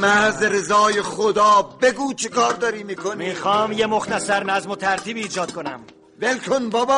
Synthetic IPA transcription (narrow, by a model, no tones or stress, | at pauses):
mæzɾezɒːjeχod̪ɒːbeɡuːt͡ʃʰekʰɒːɾd̪ɒːɾiːmiːkʰonmiːxɒːmjemoxt̪ʰæsæɾnæzmot̪ʰæɾt̪ʰiːbiːd͡ʒɒːd̪̥̚kʰonæ̰m | velk̪ʰonbɒːbɒː